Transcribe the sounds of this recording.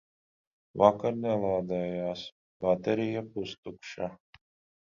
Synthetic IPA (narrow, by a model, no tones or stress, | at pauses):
vakaɾnɛlˠaːd̪ɛːjaːs | bat̪eɾijapust̪ukʃa